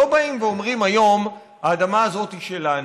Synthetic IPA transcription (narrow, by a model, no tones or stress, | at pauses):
o̞baimveo̞mʁimajo̞m | haːd̪amaːzo̞t̪iʃelan